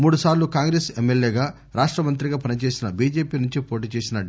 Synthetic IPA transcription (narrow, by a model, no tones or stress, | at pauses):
muːɽusaːɾlukaːŋɡɾeːsemːeljeːɡaː | ɾaːʂʈɾɐmɐnt̪ɾiɡaːpɐnit͡ʃe̞ːsinɐbiːd͡ʒe̞ːpiːnuɲt͡ʃipo̞ːʈ̬iːt͡ʃe̞ːsinɐ